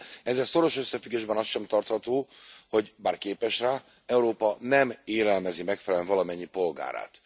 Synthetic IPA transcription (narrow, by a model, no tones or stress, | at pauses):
ɛzɛso̞ɾo̞ʃøsːɛfyɡeːʒbɛnɒst̪ʃɛmt̪ɒrt̪hɒt̪oːho̞ɟbaːrkeːpɛʃraː | ɛuɾoːpɒnɛmeːlɛlmɛzimɛkfɛlɛlɛɱvɒlɒmɛɲːipo̞lɡa̰ːɾa̰ːt̪